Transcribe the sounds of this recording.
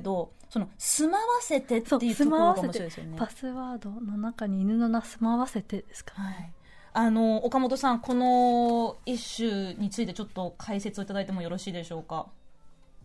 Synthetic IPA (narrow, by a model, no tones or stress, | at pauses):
d̪o̞ | so̞no̞sɨmaβase̞t̪et̪soeii̟sɨomaɾβaasemɕeod̪esɨjo̰nepasɨβaːd̪o̞nonakaɲ̟iːnɯ̟no̞nasɨmaβase̞t̪e̞d̪esɨ̥kḁɾaii | ano̞ːkamo̞t̪̬o̞sãŋko̞no̞ | iɕːɨɲ̟it͡sɨit̪e̞t͡ɕo̞t̪ːo̞kʰaise̞t͡sɨoit̪ad̪ait̪e̞mo̞jo̞ɾo̞ɕiːd̪e̞ɕo̞ːka